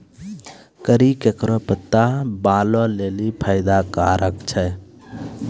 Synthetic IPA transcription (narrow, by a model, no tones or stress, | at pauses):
kəɾikekɾɔpət̪ːabalɔlelipʰəjɪd̪akaɾʔəkt͡ʃʰɛ